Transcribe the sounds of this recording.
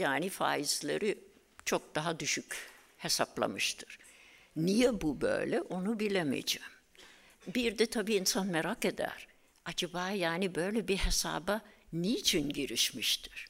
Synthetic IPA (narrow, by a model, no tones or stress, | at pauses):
jaːnifa̰ːizlʲḛɾi | t͡ʃʰo̞k̚d̪aɦad̪yʃyc | he̞saplˠa̰mɯʃt̪ʰɯ̥ɾ̥ | nijɛbubø̰jlʲɛʔo̞nubilʲemḭd͡ʒɛːm | biɾd̪ɛt̪ʰabiːnsanmeɾake̞d̪æ̰ɾ̥ | ad͡ʒabaːjaːnibø̞jlʲɛbihe̞sa̰ːbanijit͡ʃʰinɟiɾiʃmiʃt̪ʰi̥ɾ̥